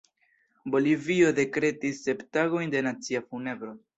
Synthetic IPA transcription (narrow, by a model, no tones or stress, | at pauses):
bo̞livio̞de̞kɾe̞tisːe̞ptaɡo̞jnde̞nat͡siafune̞bɾo̞